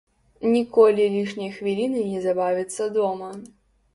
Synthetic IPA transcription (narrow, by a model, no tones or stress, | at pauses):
nʲikɔlʲilʲiʂnʲɐjxvʲilʲinɨnʲɛzabavʲit̪sːɐd̪ɔmɐ